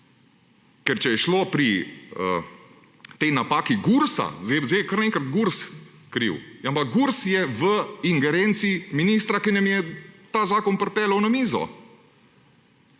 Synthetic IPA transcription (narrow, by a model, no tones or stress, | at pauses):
kɛɾt͡ʃɛjɛʃloːpɾiə̰ | t̪ejnapaːkiɡuɾsa̰zɛzeɪkəɾneːŋkɾat̪ɡuɾskɾḭwampak̚ɡuɾsjɛʋəiŋɡɛɾent̪siːminiːst̪ɾakinɐmjɛt̪aːzaːkɔnpɾɛpɛːləwnɐmiːzɔ̰